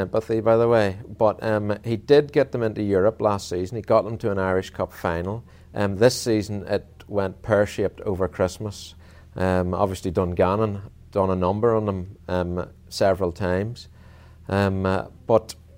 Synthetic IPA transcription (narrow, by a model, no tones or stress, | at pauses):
ɪ̃mpəθibaɪðəweɪb̥ʌtʌ̃mhidɪd̚ɡɛt̪̚ðə̃mɪ̃ntʉjʊɹəplastsizn̩iɡɔʔ̚ðə̃mtʰəə̃naɪɹɪʃkʰʌpfãɪ̃nl̩ˠ | ʔðɪsizə̃n̩ɪt̚wɛ̃npʰɜ˞ʃɪp̚tʰo̰və˞kʰɹ̥ɪsməs | ʔʌmɑ̰bviəslˠidʌ̃nɡanə̃n | d̥ʌ̃nənʌ̃mbə˞ə̃nðə̃mʌm | sɛvɹəlˠtʰãɪ̃mz̥ | ʔʌmb̥ʌt